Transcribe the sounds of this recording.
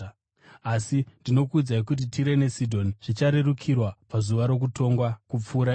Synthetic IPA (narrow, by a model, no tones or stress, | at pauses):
asindino̞kuːd͡zaik̬ut̬itʰiɾe̞ne̞sidʱo̞niʐ̥it͡ʃaɾe̞rukʰirwapazuʋaɾo̞k̬uto̞ŋɡwakup͡fuːɾa